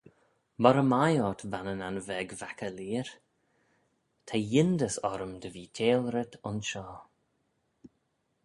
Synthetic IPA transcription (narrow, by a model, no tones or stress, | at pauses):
bɔɾəmajɔt̪vanənanvɛɡvakəliːɾ | t̪ʰajɪnd̪əsɔɾəmd̪əviːtʰeːlɾɪt̪ʰʊnʃɔː